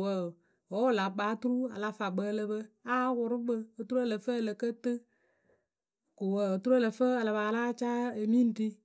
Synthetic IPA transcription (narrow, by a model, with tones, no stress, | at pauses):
wə˨ | wɔ˨˦wla˨k͡paː˨˦tu˦ɾu˦a̰˨la˦fa˨ɡ͡bə˦˧lə˦bə˦a˦wʊ˨ɾʊ˦bə˦o˨tu˦ɾu˦ə˦lə˨fə˦˨lə˨kə˦tɨ˦ | ko˨wə˨o˨tu˦ɾu˦ə˦lə˨fə˦ə˨la˨ba˨la˦t͡ʃa˦e˨mi˦n̩˨ti˧